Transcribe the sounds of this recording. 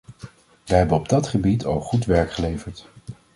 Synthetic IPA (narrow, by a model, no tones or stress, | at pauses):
ʋəɦɛbənɔb̚dɑtχəbitʰɑ̰lˠχutʋɛɹkχəlejvəɹt